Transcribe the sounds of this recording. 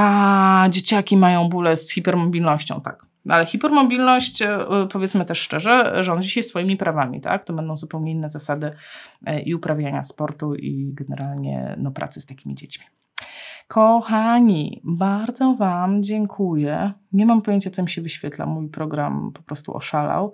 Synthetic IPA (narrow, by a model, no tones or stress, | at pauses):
ad͡ʑet͡ɕakʲimajɔ̃w̃bulɛsxʲipɛɾmɔbʲilnɔɕt͡ɕɔ̰̃w̃t̪a̰k | ʔalɛxʲipɛɾmɔbʲilnɔɕt͡ɕpɔvʲjɛt̪smɘt̪ɛʂːʂt͡ʂɛʐɛʐɔnd͡ʑiɕajsfɔjimʲipɾavamʲḭt̪a̰k̚t̪ɔbɛnd̪ɔ̃w̃zupɛwɲɛinːɛzasad̪ɘ | ʔiupɾavʲjaɲa̰spɔɾt̪uḭɡɛnɛɾalɲɛ̰nɔpɾa̰t̪sɘ̥st̪akʲimʲḭd͡ʑet͡ɕmʲi̥ | kʰɔxaɲḭbaɾd̪zɔvamd͡ʑɛŋkʰujɛɲɛmampɔjeɲt͡ɕat̪sɔmʲiɕɛvɘɕfʲjɛt̪la̰mujpɾɔɡɾampɔpɾɔst̪ṵʔɔ̰ʂala̰w